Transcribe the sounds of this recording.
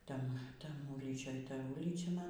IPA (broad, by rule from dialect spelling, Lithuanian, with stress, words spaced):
ˈtʲɛn ˈtɐm ˈuːlʲiːt͡ʃʲoːj ˈtɐ ˈuːlʲiːt͡ʃʲɛ ˈmɐn